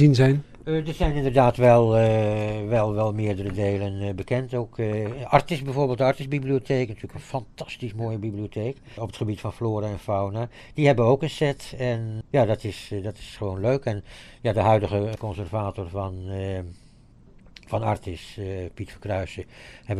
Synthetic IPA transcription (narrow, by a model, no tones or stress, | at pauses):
zinzɛjn | dərzɛjnɪndərdaːtʋɛlˠ | ʋɛlˠʋɛlˠmɪːɹdərədeːlənbəkɛntoːkɑrtɪsbɛjvoːɹbeːlˠtdəɑɹtɪsbibliotʰeːknatyːləkənfɑntɑ̥stismoːjəbiblioteːk | ɔpətχəbitfɑnfloːɾaɛnfawna | d̥ihɛbəəowkənsɛtɛnjaːdɑtɪsdɑtɪ̥sχəʋoːnløɥkɛnjaːdəɦœɥdəχəkɔnsɛrvaːtɔrvn | fɑnɑɹtɪspitfəkrœɥsəhɛb